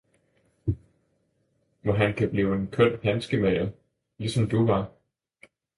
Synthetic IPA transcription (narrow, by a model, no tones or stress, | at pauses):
ʋɒɦænkʰæb̥liːʊe̝nkʰɔn̰hænsɡ̥əmæɪɐ | lisɒ̽md̥uʋɑ̈